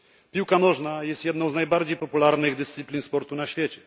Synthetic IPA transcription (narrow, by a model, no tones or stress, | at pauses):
pʲiwkanɔʐnajɛst̪jɛd̪nɔ̃w̃znajbaɾd͡ʑejpɔpulaɾnɘɣd̪ɘst̪sɨplʲinspɔɾt̪unaɕfʲjɛt͡ɕɛ